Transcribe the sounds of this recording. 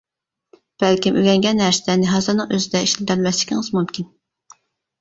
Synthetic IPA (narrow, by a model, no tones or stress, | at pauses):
b̥ɛlkʲimʔøɡʲɛŋɡʲɛnhæɾsɪd̪ænɪɦɑzɨɾnɨŋøzɪd̪ɛiʃlɪd̪ælmɛslɪ̥kʲʰḭŋɨzmumkʲʰin